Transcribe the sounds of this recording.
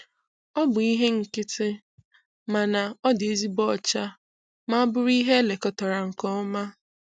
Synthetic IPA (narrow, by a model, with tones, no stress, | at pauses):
ɔ˦bʊ˨i˦ɦe˦ŋ̩˨kɪ˦tɪ˦ | ma˨na˨ɔ˦de˨zi˦bɔ˦˨t͡ʃa˦ | ma˦a˦bʊ˦ɾi˦ɦe˦le˨kɔ˦tɔ˨ɾa˨ŋ̩˨kɔ˦ma˦